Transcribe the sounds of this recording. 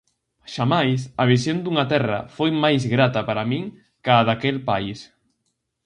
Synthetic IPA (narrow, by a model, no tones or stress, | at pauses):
ʃamajsɐβisjond̪uŋat̪ɛrɐ̰fojmajzɣɾat̪ɐpaɾamĩŋ | kaːðakɛlpais